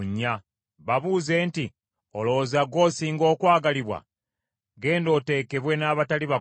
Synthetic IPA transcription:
ɲːa | βaβuːze̞ːnti | o̞lo̞zaɡo̞ːsiːŋɡo̞ːkwaːɡaliβwa̰ | ɡe̞ːndo̞te̞ːke̞βwe̞naːβataliβa

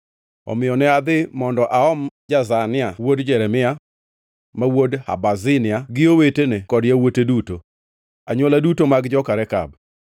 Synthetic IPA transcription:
ɔ̰mɪjɔnɛad̪ɪmɔndɔʔaɔmd͡ʒazanɪawodd͡ʒɛɾɛmɪa | mawodha̰bazɪnɪaɡɪowetenekɔdjawoteduto | a̰ɲwoladutomaɡd͡ʒɔkaɾɛka̰b̚

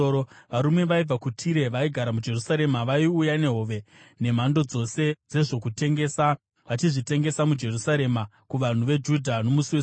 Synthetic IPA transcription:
oʋaɾumwe̞ʋaib͡vakutʰiɾe̞ʋaiɡʱaɾamud͡ʒe̞rusaɾe̞maʋaiujane̞ɦo̞ʋe̞ne̞m̤ando̞d͡zo̞se̞d͡ze̞ʐo̞kute̞ŋɡesa | ʋat͡ʃiʐite̞ŋɡe̞samud͡ʒe̞rusaɾe̞ma | kuʋan̤uʋe̞d͡ʒudʱano̞musiwe

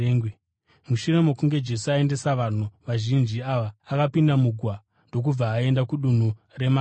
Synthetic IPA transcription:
muʃure̞mokuŋɡe̞d͡ʒe̞suae̞nde̞saʋan̤uʋaʒind͡ʒiaʋaːkapindamuɡʱwa | ndo̞k̬ub͡vaːe̞ndakuɗun̤u | re̞ma

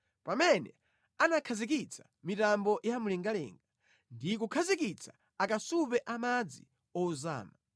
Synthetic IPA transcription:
pamɛnɛ̰ | anakʰazik̬it͡sʰḁ | mitambɔjamulɛŋɡalɛ̰ːŋɡa | ndikukʰazikit͡sʰḁ | akasupɛʔamad͡zḭ | ɔuza̰ːma

